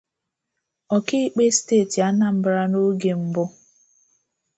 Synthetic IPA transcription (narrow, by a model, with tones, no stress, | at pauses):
ɔ˨ki˦k͡pe˦steː˦˨ti˨a˦na˦m̩˦bɾa˦no˦ɡe˨m̩˦bʊ˦